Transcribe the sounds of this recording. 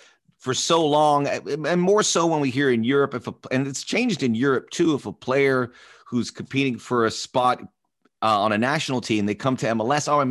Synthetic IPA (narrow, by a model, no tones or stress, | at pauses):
fə˞soʊlɔ̃ŋɨ̃nmɔɹsoʊwə̃nwiɦiɹɨ̃njʊɹɨpɨfəɨ̃nɨtst͡ʃʰẽɪ̃nd͡ʒdɨ̃njʊɹɨp̚tʰʉəfəpʰl̥eɪə˞ | huz̥kʰm̩pʰiɾɪ̃ŋfə˞ɨspɑɾ | ə̃nɨnæʃnl̩ˠtʰĩmðeɪkʰʌ̃mtʰɨɛ̃məlɛsa